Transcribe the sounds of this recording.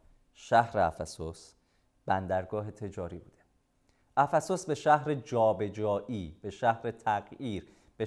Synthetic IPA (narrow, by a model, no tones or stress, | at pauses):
ʃæhɾeæ̰fæsos | b̥ænd̪æɾɡɒːɦe̞t̪ʰe̞d͡ʒɒːɾibṵːd̪̥e | ʔæfæsosbe̞ʃæhɦɾe̞d͡ʒɒːbe̞d͡ʒɒːʔiːb̥e̞ʃæhɾe̞t̪ʰæɣjiːɾ | b̥e